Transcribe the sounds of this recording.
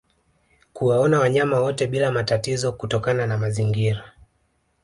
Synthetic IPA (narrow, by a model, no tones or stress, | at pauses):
kuwaɔnawaɲamawɔtɛɓilamatatizɔkutɔkananamaziŋɡiɾa